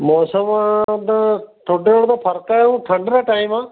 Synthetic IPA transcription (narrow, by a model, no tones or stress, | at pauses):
mɔːsəmad̪aʈʰoɖeoɽd̪apʰɐɾkaːɦũːʈʰɐɳɖɾaʈaːimãː